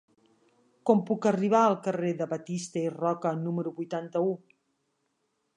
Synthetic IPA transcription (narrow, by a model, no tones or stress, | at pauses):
kɔmpukəriβ̞aəlˠkəreðəβət̪ist̪əirɔkənuməɾuβujt̪ant̪əu